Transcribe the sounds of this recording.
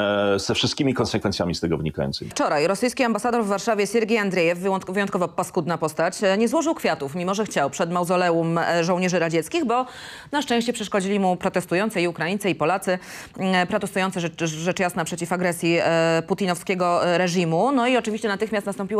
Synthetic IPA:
zɛfʂɨst̪kʲimʲikɔnsɛkfɛnt̪sʲjamʲist̪ɛɡɔvɲikajɔ̰nt̪sɘ̰ift͡ʂɔɾajɾɔsɘjskʲiambasad̪ɔɾvːaɾʂavʲjɛsʲɛɾɡʲiand̪ɾɛjɛfvɨjɔnt̪̚kɔvɔpɔskud̪napɔst̪at͡ɕɲɛzwɔʐɨwkfʲjat̪ufmʲimɔʐɛxt͡ɕawpʂɛd̪mawzɔlɛumʐɔ̃wɲɛʐɘɾad͡ʑɛt̪skʲiɣbɔ | naʂt͡ʂɛ̃w̃ɕt͡ɕɛpʂɛʂkɔd͡ʑilʲimupɾɔt̪ɛst̪ujɔnt̪sɛiukɾajintsɛipɔlat̪sɘ | pɾat̪ɛst̪ujɔnt̪ɛːɛt͡ʂjasnapʂɛt͡ɕifaɡɾɛsʲjiput̪inɔfskʲɛɡɔɾɛʐimunɔiɔt͡ʂɘvʲiɕt͡ɕɛnat̪ɘxmʲjast̪nast̪ɔmpʲiw

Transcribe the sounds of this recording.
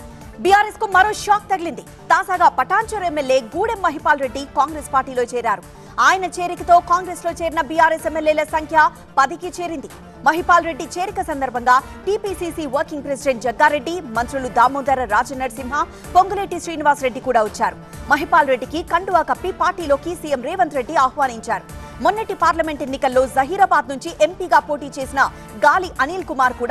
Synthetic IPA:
bijaːɾeskumɐɾo̞ːʃaːk̚t̪ɐɡilind̪i | t̪aːd͡ʒaːɡaːpɐʈaːɲt͡ʃɐɾemːeljeːɡuːɽemːɐɦipaːlɾe̞ɖːikaːŋɡɾespaːɾʈiːloːt͡ʃeːɾaːɾu | aːjɐnɐt͡ʃe̞ːɾikɐt̪o̞ːkaːŋɡɾeːslo̞ːt͡ʃeːɾinɐbijaːɾesemːeljeːlɐsɐŋkʰjɐ | pɐd̪ikit͡ʃe̞ːɾind̪i | mɐɦipaːlɾe̞ɖːit͡ʃe̞ːɾikɐsɐnd̪ɐɾbʱɐŋɡaː | ʈiːpiːsiːsiːʋɐɾkiŋɡpɾesiɖeɳʈ̚d͡ʒɐɡːaːɾe̞ɖːimɐnt̪ɾulud̪aːmuːd̪ɐɾɐɾaːd͡ʒɐnːɐɖsimɦɐ | poŋɡɐleːʈiʃɾiːniʋaːsɾe̞ɖːikuːɽaːʋɐt͡ʃːaːɾu | mɐɦipaːlɾe̞ɖːikikɐɳɖuʋaːkɐpːipaːɾʈiːlo̞ːkisiːjemɾɛːʋɐnt̪ɾe̞ɖːiaːhʋaːniɲt͡ʃaːɾumonːɐʈipaːɾlɐme̞ɳʈenːikɐlːo̞ːzɐɦiːɾɐbaːd̪nuɲt͡ʃiʔe̞mpiːɡaːpo̞ːʈiːt͡ʃe̞ːsinɐ | ɡaːliʔɐniːlkumaːɾkuːɽa

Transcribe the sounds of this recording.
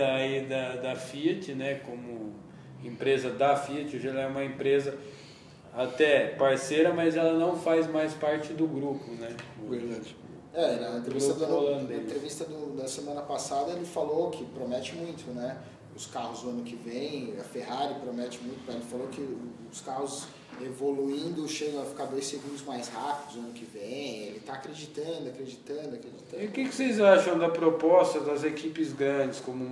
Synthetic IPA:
id̪ɐd̪ɐfit͡ʃɪnɛkõmʊ | ẽpɾezɐd̪ɐfiɐt͡ʃɪoʒɛlɐɛũmɐẽpɾezɐ | at̪ɛpaɾsejɾɐmɐzɛlɐnɐ̃w̃fajzmajspaɾt͡ʃɪd̪ʊɡɾupʊnɛveɾd̪ad͡ʒɪ | ɛɛlɐẽt̪ɾeeɡvɾsut̪ɐd̪ɐolɐ̃d̪ẽẽt̪ɾevist̪ɐd̪ʊd̪ɐsemɐ̃nɐpasad̪ɐelɪfalokʰɪpɾomɛt͡ʃɪmũj̃t̪ʊnɛ | ʊskaɦʊzd̪ʊɐ̃nʊkɪvẽj̃ɐfehaɾɪpɾomɛt͡ʃɪmũj̃t̪ʊpɐelɪfalokɪʊskahʊz | evoluĩnd̪ʊʃẽj̃ɐfi̥kaɾd̪ojseɡũnd̪ʊzmajshapid̪ʊzd̪uɐ̃nʊkɪvẽj̃elɪt̪aːkɾed͡ʒit̪ɐ̃d̪ʊɐkɾed͡ʒit̪ɐ̃d̪ʊɐkɾed͡ʒit̪ɐ̃iʊkɪkɪ̥sejzaʃɐ̃w̃d̪ɐpɾopɔst̪ɐd̪ɐzekipɪzɡɾɐ̃d͡ʒɪskõmʊ

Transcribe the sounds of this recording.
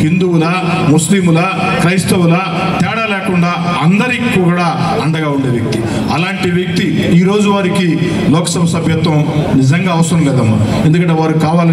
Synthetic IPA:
hind̪uwulɐmuslimulɐ | kɾɐjst̪ɐwulɐ | t̪ɛːɽɐlɛːkuɳɖaː | ɐnd̪ɐɾikːuʋɡuɽaː | ɐɳɖɐɡaːuɳɖeːʋjɐk̚t̪i | ɐlaːɳʈiʋjɐk̚t̪iiːɾo̞ːd͡ʒuʋaːɾiki | lɔːkɐ̥sɐbɐsɐbʱjɐt̪ʋɐmnid͡ʒɐŋɡaːʋɐsɐɾɐmlɛːd̪ɐmɐ | end̪ukɐɳʈ̬eʋaːɾukaːʋaːlɐ

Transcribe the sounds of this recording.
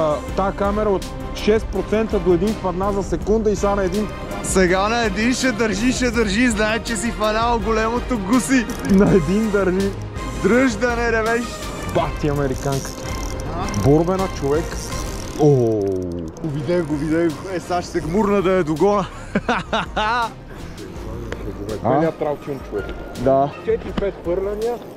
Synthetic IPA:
t̪ːakamɛɾɐot̪ | ʃɛst̪̚pɾot̪sɛnt̪əd̪oɛd̪infpɐd̪nazɐsɛkund̪əisanɐɛd̪in | sɛɡanɐɛd̪inʃɛd̪ɐɾʒiʃɛd̪ɐɾʒiznaɛt͡ʃɛs̬ifɐnalˠɡolɛmot̪oɡusinɐɛd̪ind̪ɐɾʒi | d̪ɾɤʒd̪ɐnɛɾɛvɛʃ | bat̪iɐmɛɾikaŋkə̥t̪ | bɔɾbɛnɐt͡ʃovɛk | o | ʊbid̪ɛɡʊvid̪ɛɛsaʃsɛɡmuɾnəd̪ɐɛd̪oɡɔnə | aaa | ɛɡvɛɛiɐt̪ɾawk̪ʲint͡ʃovɛkd̪at͡ʃɛt̪ɾipɛt̪pɤɾlɐniə

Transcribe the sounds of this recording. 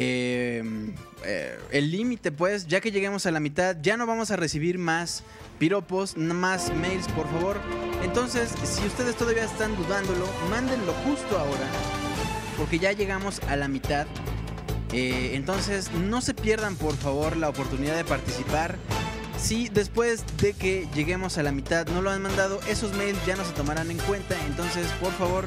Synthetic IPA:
em | ḛelːimit̪e̞pwe̞s̬ʝake̞ʝe̞ɣe̞mo̞salamit̪aðʝano̞βamo̞sare̞siβ̞iɾmas | piɾo̞po̞st̪nmasmejlspo̞ɾfaβ̞o̞ɾe̞nt̪o̞nse̞sːiust̪e̞ð̞e̞st̪oðaβiaest̪and̪uðand̪o̞lo̞mãnd̪e̞nlo̞xust̪o̞ao̞ɾa | po̞ɾke̞ʝaʝe̞ɣamo̞salamit̪að | eːnt̪o̞nse̞sno̞se̞pje̞ɾðampo̞ɾfaβo̞ɾlaopo̞ɾt̪uniðaðe̞paɾt̪isipaɾ | siðe̞spwe̞z | ðe̞keʝe̞ɣe̞mo̞salamit̪aðno̞loanmãnd̪að̞o̞ʔe̞so̞zmejlzʝano̞s̬e̞t̪o̞maɾane̞ŋkwe̞nt̪ae̞nt̪o̞ns̬e̞spo̞ɾfaβo̞ɾ

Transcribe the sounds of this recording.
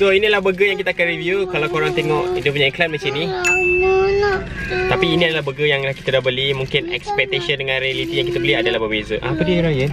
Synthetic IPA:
soinĩdəlahbəɡəjaŋkit̪aakanrivjukalawkoɾaŋt̪eŋɔʔidəp̬uɲãʔiklanmat͡ʃɛnĩ | laʔt̪apiːnĩadalahbəɡəjaŋlahki̥t̪adaʔbəlimũŋkɪnɛ̰kspɛk̚t̪asəndəŋãnɾealit̪ijaŋkit̪abəliadalaɦbəbezəʔapədiəɾajən

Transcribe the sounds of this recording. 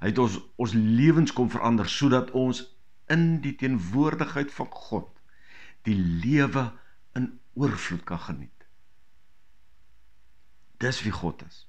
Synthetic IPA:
ɦətɔɔnsliəvənskɔmfərʔɐndərsuədɐtʰɔns | ənditiənvuərdəχɦəjtfɐnχɔt | d̥iliəvə | ən | uərflutkɐnχənḭt | d̥əsviχɔ̰təs

